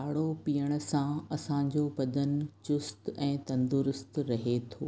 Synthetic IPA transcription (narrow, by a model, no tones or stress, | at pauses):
aːɽopiːəɽ̃̆sãɐsãɲ̆d͡ʑoːbɐd̪ənt͡ɕʊst̪ɛ̃ːt̪ɐ̃nd̪ʊɾʊst̪ɾɐɦet̪ʰoː